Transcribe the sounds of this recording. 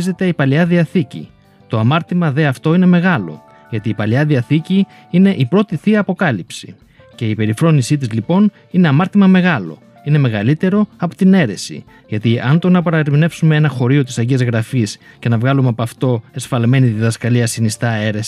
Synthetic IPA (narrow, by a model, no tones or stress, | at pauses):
ze̞t̪e̞ipɐliɐðiɐθicḭ | t̪o̞ɐmɐɾt̪imɐðe̞ɐft̪o̞ine̞me̞ɣɐlo̞̰ | ʝɐt̪iːpɐliɐðiɐθici | ine̞ʔipɾo̞t̪iθiɐːpo̞kɐlipsḭ | ce̞ipe̞ɾifɾo̞nisit̪izlipo̞n | ine̞ɐmɐɾt̪imɐme̞ɣɐlo̞ | ine̞me̞ɣɐlit̪e̞ɾo̞ɐpo̞̥t̪ine̞ɾe̞sḭ | ʝɐt̪iɐnd̪onɐpɐɾɐɾimne̞psumeenɐxo̞ɾio̞t̪isɐɟiɐzɣɾɐfis | ce̞nɐvɣɐlumeɐpɐft̪o̞e̞sfɐlme̞nit̪iðɐskɐliɐsinist̪ɐe̞ɾes